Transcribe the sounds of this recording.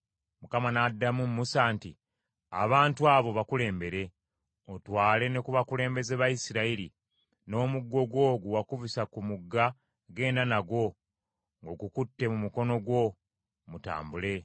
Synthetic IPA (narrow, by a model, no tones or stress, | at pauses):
mukamanadːamumːusantḭ | a̰βaːntuaːβo̞βakule̞ːmbe̞ɾe̞ | o̞twaːle̞ne̞kuβakule̞ːmbe̞zeβajisiɾailḭ | no̞ːmuɡːo̞ɡwo̞ːɡuwakuvisakumuɡːa | ɡe̞ːndanaɡwo̞ | ŋɡo̞ɡukutːe̞mumuko̞no̞ɡwo̞ | muta̰ːmbule̞